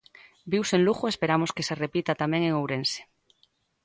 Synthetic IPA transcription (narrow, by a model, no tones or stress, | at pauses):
biwsenluxoespeɾamoskeserepit̪at̪amẽŋeŋowɾense̥